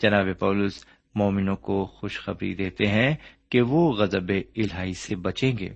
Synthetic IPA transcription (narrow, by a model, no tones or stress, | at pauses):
d͡ʒɐnaːbepaːlʊs | mɔːmɪnõkoxʊʃxɐbɾḭd̪eːt̪eɦɛ̃keʋoɣɐzəbeɪlɦaːisebɐt͡ʃẽːŋɡḛː